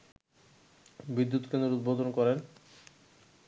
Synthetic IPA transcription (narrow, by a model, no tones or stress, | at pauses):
bid̪ːut̪kend̪ɾoɾud̪̚bod̪ʱonkɔɾen